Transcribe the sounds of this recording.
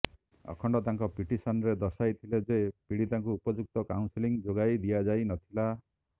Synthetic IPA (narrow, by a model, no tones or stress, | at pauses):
ɔ̰kʰɔɳɖɔt̪aŋkɔpiʈisanɔɾed̪ɔsajt̪ʰiled͡ʒepiɽit̪aŋkuupɔd͡ʒuk̚t̪ɔkawnsiliŋd͡ʒoɡajd̪ijad͡ʒajnɔt̪ʰila